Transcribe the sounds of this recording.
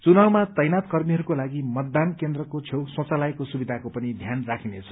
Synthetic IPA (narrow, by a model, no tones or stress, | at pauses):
t͡sunawmat̪ʌjnat̪kʌrmiɦʌɾukolaɡimʌt̪ːankend̪rʌkot͡sʰewsõt͡salajkosubid̪ʱakopʌnid̪ʱjanrakʰinet͡sʰʌ̥